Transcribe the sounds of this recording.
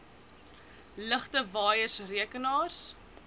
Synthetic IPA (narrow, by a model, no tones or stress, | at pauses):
ləχtəvɑːjəsriəkənɑːrs